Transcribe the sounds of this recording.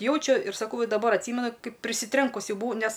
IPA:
ˈjɛʊt͡ʃʲʊ ɪr sɐˈkɐʊ dɐˈbɐr ɐtʲˈsʲiːmʲɛnʊ ˈkɐɪp pʲrʲɪsʲɪˈtʲrʲɛŋkʊs ˈjɛʊ bʊˈʋɐʊ ˈnʲɛs

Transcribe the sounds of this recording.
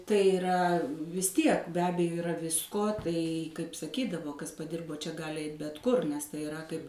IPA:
tɐɪ ɪˈrɐ ʋʲɪs ˈtʲiɛk bʲɛ ˈɑːbʲɛjoː ɪˈrɐ ˈʋʲɪskoː ˈtɐɪ kɐɪp sɐˈkʲiːdɐʋoː ˈkɐs pɐˈdʲɪrboː t͡ʃʲɛ ˈɡɑːlʲɪ ˈɛɪt bʲɛt ˈkʊr nʲɛs tɐɪ ɪˈrɐ kɐɪp

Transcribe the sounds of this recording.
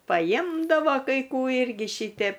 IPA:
pɐˈjmdɑːʋoː kɐɪ ˈkuː ˈɪrʲɡʲɪ ˈʃʲiːtʲɛp

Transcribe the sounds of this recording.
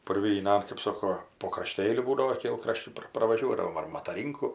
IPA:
pʊrʲʋʲiːˈnɐn kɜp ˈsoːkoː poː krɐˈʃʲtʲeːlʲʊ ˈbuːdɐʋoː ˈkʲeːlˠkrɐʃʲt͡ʃʲʊ ˈprɐ prɐʋɐˈʒʲuɔdɐʋoːm ɐr mɐtɐˈrʲiːŋkʊ

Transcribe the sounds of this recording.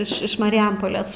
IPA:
ɪʃ ɪʃ mɐrʲɪˈjɛmpoːlʲeːs

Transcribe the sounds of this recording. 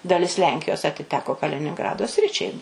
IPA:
dɐˈlʲɪs ˈlʲɛŋʲkʲɪjoːs ɐtʲɪˈtʲæːkoː kɐlʲɪnʲɪŋˈɡrɑːdoː ˈsʲrʲɪt͡ʃʲɛɪ

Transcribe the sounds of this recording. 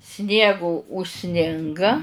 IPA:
ˈsʲnʲiɛɡoː ʊʃʲˈsʲnʲɪŋɡɐ

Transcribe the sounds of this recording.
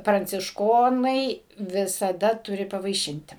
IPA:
prɐnʲt͡sʲɪʃˈkoːnɐɪ ʋʲɪsɐˈdɐ ˈtʊrʲɪ pɐʋɐɪˈʃʲɪnʲtʲɪ

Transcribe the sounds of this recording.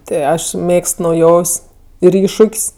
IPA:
ˈtʲɪ ˈɐʃ ˈmʲeːkst nɐʊˈjoːwsʲ ɪr ˈɪʃʃʊkʲsʲ

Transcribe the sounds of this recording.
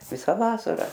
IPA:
ˈʋʲɪsɐ ˈʋɑːsɐrɐ

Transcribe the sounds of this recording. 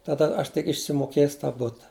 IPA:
tɐˈdɐ ˈɐʃ tʲɪk ɪʃʲsʲɪmoːˈkʲeːs tɑː ˈbʊtɐ

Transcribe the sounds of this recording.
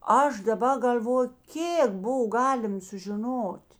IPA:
ˈɐʃ dɐˈbɐ ɡɐlʲˈʋoːjʊ ˈkʲeːk ˈboːw ˈɡɑːlʲɪm sʊʒʲɪˈnoːtʲ

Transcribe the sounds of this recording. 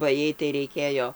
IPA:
bɐ ˈjɛɪ tɐɪ rʲɛɪˈkʲeːjoː

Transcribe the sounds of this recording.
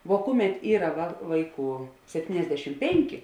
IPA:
ʋoː ˈkʊˌmʲɛt ˈiːrɐ ʋɐ ˈʋɐɪˌkuː sʲɛpʲˈtʲiːnʲɛzʲdʲɛʃʲɪm ˈpʲɛŋʲkʲɪ

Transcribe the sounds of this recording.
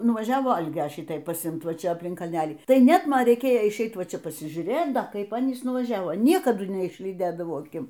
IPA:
nʊʋɐˈʒʲæːʋoː ˈɐlʲɡʲɛ ˈʃʲɪtɐɪ pɐsʲɪˈɪmt ˈʋɐ ˈt͡ʃʲɛ ɐpʲˈlʲɪŋk kɐlʲˈnʲæːlʲiː ˈtɐɪ ˈnʲɛt ˈmɐn rʲɛɪˈkʲeːjoː ɪʃʲˈɛɪt ˈʋɐ ˈt͡ʃʲɛ pɐsʲɪʒʲuːˈrʲeːt ˈdɐ ˈkɐɪp ˈɑːnʲiːs nʊʋɐˈʒʲæːʋoː ˈnʲiɛkɐdʊ nʲɛɪʃʲlʲiːˈdʲeːdɐʋɐʊ ɐˈkʲɪm

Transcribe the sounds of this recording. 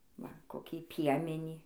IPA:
ˈʋɐ koːˈkʲiː ˈpʲiɛmʲɛnʲiː

